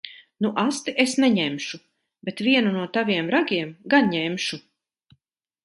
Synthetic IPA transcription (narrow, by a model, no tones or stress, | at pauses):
nuʔast̪iʔesnɛɲɛmʃu | bet̪viɛnunuɔt̪aviɛmɾaɡʲiɛmɡanɲɛmʃu